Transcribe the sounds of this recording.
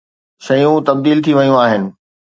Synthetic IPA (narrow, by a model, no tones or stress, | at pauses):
ʃɐjũt̪ɐb̚d̪iːlt̪ʰiʋɐjũaːɦɪnɪ̆